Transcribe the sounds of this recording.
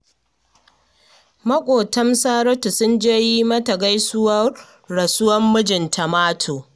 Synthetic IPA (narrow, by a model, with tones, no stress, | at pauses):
mɐ˦kʷʼoː˨tɐ˦msaː˦ɾɔ˦tu˨sʊ˦nd͡ʒeː˦ji˦mɐ˦tɐ˨ɡa˦jsʊ˦wɐː˦ | ɐ˨sʊ˦wɐ˦mːʊ˦d͡ʒɪ˨ntʰɐ˨maː˦tʰoː˨